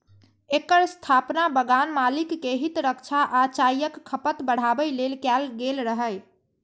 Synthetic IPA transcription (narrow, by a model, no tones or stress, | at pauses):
ekəɾst̪ʰapnabəɡanmalikːeɦit̪ɾəkt͡ʃʰaʔat͡ʃajəkːʰəpət̪bəɽ̤abəjlelkɛlɡelɾəɦəj